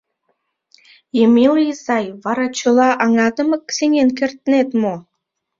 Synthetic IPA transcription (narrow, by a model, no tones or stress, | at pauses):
emiljisɑjβɑɾɑt͡ɕə̆lɑʔɑŋɑd̪ə̆mɤkseŋenk̬ert̪ənet̪mo